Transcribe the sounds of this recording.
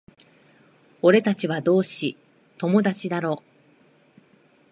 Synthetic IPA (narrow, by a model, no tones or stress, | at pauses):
o̞ɾe̞t̪at͡ɕiβ̞ad̪o̞ːɕi | t̪o̞mo̞d̪at͡ɕid̪aɾo̞ː